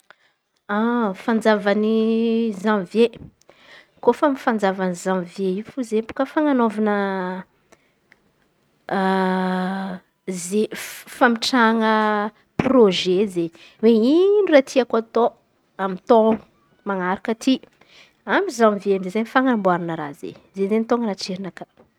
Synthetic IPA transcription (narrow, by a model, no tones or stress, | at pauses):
afand͡zavanizãvje | kofəmifand͡zavanizãwvjeifuzepu̥kəfaŋanovanə | zefamiʈ͡ʂaŋə | proʒeze | weinuɾat̪ʰiakat̪o | amit̪ou | maŋaɾakət̪ʰi | amizãvjemzezaɲfaŋambwaɾinəɾa̰zḛzezent̪oŋɡənaʈ͡ʂeɾinaka